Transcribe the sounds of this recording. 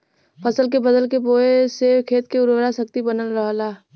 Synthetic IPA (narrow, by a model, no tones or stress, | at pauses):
pʰəsəlk̬ebəd̪əlkeboːesekʰeːt̪keʊɾʋɾasək̚t̪ibənəlɾəɦlaː